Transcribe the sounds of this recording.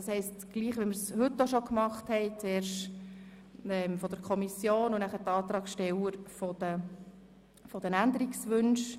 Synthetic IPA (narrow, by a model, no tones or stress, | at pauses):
ɑshɛɪstɡ̥liːχʋiməɾshɵtːoʃɔkmɑχthɛɪt͡sɛːrʃ | ɛmfɔd̥əɾkʰɔmisjoːnʊnæχəɾtɑːt̪ɾɑːɡʃtɛwəɾfɔd̥̪ə | fɔd̥ənænd̪əɾiksʋɵnʃ